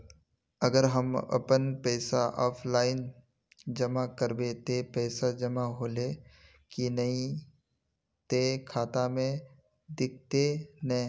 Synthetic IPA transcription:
əɡəɾɦəmɐ̰pənpɛːsaʔɔːpʰlaːɪn | d͡ʒɐmakəɾbet̪epɛːsad͡ʒɐmaɦoːle | kinɐɦĩ | t̪ekʰaːt̪amẽ | d̪ɪk̚ʰt̪enɐ

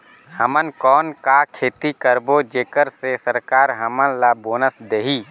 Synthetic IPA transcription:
həmənkɔːnkakʰeːt̪ikəɾbod͡ʒeːkəɾsesəɾkaːɾɦəmənlaboːnəsd̪eːɦiː

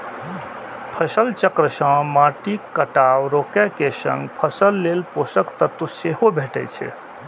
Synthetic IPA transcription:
pʰəsəlt͡ʃəkɾəsə̃maʈikːəʈawɾokɛkesə̰̃ŋɡpʰəsəlːelposəkt̪ət̪useɦobʱeʈɛ̰t͡ʃʰɛ̰

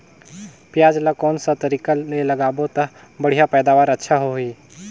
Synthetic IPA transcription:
pjaːd͡ʒlakɔːnsat̪ɐɾikalelɐɡaːbot̪ɐ | bəɽ̤ijapɛːd̪aːʋaːɾətːʃʰaɦoiː

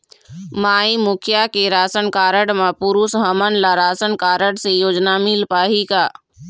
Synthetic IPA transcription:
maːimʊkʰjakeɾaːsənkaːɾəɽmãpʊɾuːsɦəmənlaɾaːsənkaːɾəɽsejoːd͡ʒnamɪlpaːɦikaː

